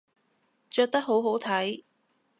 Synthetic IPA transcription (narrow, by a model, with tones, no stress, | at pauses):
t͡ʃœː˧k̚t̪ɐ˥k̚ɦo˨˥wɦo˨˥wt̪ʰɐ˨˥j